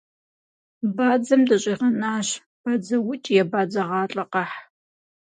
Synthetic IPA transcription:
baːd͡zɐmdɐɕʼiːʁɐnaːɕ | b̥ad͡zɐwʊt͡ʃʼjɛbaːd͡zɐʁɑːɬʼɐqɐħ

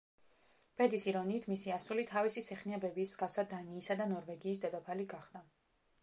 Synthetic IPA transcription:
b̥ɛd̪isiɾɔniːt̪ʰmisiasulit̪ʰavisisɛχniɛbɛbismzɡafsad̪̚d̪aniːsad̪anɔɾvɛɡiːs̬d̪ɛd̪ɔpʰaliɡaχd̪a

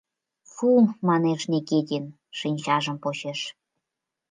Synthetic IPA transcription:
fumɑneʃneket̪ʲin | ʃinʲt͡ɕɑʒə̆mpot͡ɕeʃ

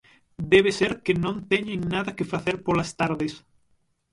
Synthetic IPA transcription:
d̪eβ̞eseɾkenõnt̪eɲeŋnaðɐkefaθeɾpolast̪aɾðes

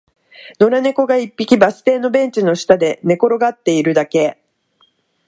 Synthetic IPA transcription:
no̞ɾane̞ko̞ɡaipʲːikʲibasɨ̥t̪e̞ːno̞bẽ̞ɲ̟t͡ɕino̞ɕi̥t̪ad̪e̞ne̞ko̞ɾo̞ɡat̪ːe̞iɾɯ̟d̪ake̞

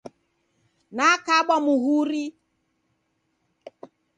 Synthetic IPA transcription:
naakaɓɔmuɦuɾi

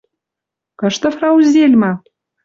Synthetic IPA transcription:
kɤ̆ʃt̪ə̆frɑuzʲelʲmɑ

